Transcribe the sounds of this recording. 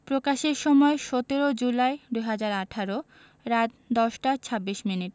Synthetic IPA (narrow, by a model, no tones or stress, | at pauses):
pɾokaʃeɾʃɔmɔeʃɔt̪eɾod͡ʑulaed̪ujɦad͡ʑaɾaʈʰaɾo | ɾat̪ | d̪ɔʃʈat͡ɕʰabːiʃminiʈ